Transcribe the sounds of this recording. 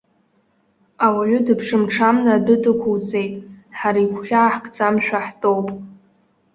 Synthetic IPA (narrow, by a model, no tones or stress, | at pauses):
awaʕʷʊdɨpʰʂɨmʈ͡ʂʰamnadɨdɨkʷʰuwt͡sʼe̞jtʼħaɾaikʷʰχʲaːħkʼt͡sʼamʃᶣaħtʼowpʼ